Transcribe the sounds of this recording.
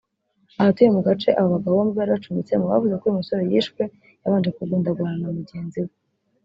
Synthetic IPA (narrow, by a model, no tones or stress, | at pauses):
ahatujemuɡat͡ʃe̞ʔaβoβaɡaβoβamuβaɾat͡ʃumit͡semuwa̰vuze̞koimiso̞ɾe̞jiːʃkwe̞ | jaβaːnd͡ʒe̞kuɡuːndaɡwaɾanamuɟe̞ːnziwe